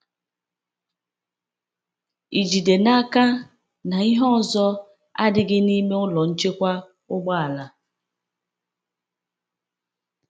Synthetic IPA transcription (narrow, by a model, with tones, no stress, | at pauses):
i˨d͡ʒi˨de˨na˦ka˦ | na˨i˦ɦɔ˦ɔ˨zɔ˦ | a̰˦dɪ˦ɡɪ˦ni˦me˦ʊ˦lɔ˨n̩˦t͡ʃe˦kʷa˦ | ʊ˦ɡ͡ba˦a˨la˨